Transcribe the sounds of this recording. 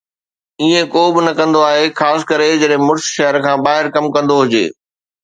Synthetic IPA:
iːẽkoːbɪnɐkɐ̃nd̪oaːɦexaːsɪ̥kɐɾed͡ʑɐɗɦɪ̃mʊɽsʃɛɦəɾkʰãːbaːɦɪɾkɐmkɐ̃nd̪oɦʊd͡ʑḛː

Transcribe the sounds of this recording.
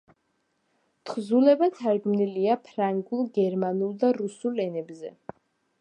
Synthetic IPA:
t̪ʰχzulɛbat̪ʰaɾɡmniliapʰɾaŋɡulˠɡɛɾmanulˠd̪aɾusulɛnɛbzɛ̰

